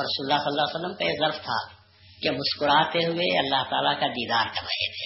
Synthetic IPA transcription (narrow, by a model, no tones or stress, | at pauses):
ɾɐsuːɾlːasɐlːaːsəlːəmkajezɐɾft̪ʰa̰ | kemʊskʊɾaːt̪eɦʊeɐlːaɦt̪a̰ːlakad̪iːd̪aːɾk̪ɐba̰ɦḛt̪ʰeː